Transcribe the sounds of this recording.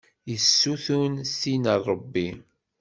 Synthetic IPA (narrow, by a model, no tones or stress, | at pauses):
jəsːuθunsinərˤːəbːi